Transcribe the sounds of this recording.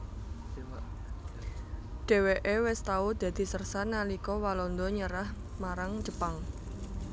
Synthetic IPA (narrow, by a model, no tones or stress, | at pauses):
ɖ̥e̤weʔewɛst̪aud̪̥ä̤d̪̥i̤sərsanalikɔwalɔnd̪ɔɲəɾah | maɾaŋ̥d͡ʒ̥ə̤paŋ